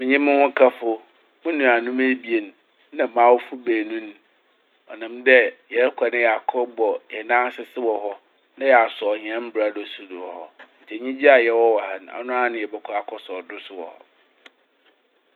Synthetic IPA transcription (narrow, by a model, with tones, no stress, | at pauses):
mɪ̃˨ɲĩ˦mʊ̃˦hʊ̃˦kʰa˦fʊ˦ | mʊ̃˦nũ˨a˨nũ˦me˦bi˨e˨n˨ | nã˨mãː˨˦wɔ˦fu˦beː˨nũ˦n˦ | ɔ˨nã˨mdɛ˦jɛ˨˦kʷʰa˨nɪ̃˦ja˨kʰɔ˦bɔ˨jɛ˨nã˦sɪ˦sɪ˦wɔ˨ɦɔ˦ | nã˦jɛ˨a˨sɔ˨ɲ˨ɛ̃˦m̩˦bɾa˦dɔ˨su˦˨du˨ɔ˨hɔ˨n̩˨tʰɛ˨ɲĩ˦d͡ʑi˦a˨jɛ˦wɔ˦wa˨hã˨n˨ã̰˨nʊ̃˦a˦nʊ̃˦jɛ˨bɛ˦kʰɔ˦˨a˨kʰɔ˦sɔ˨dʊ˦sʊ˦wɔ̰˨hɔ̰˨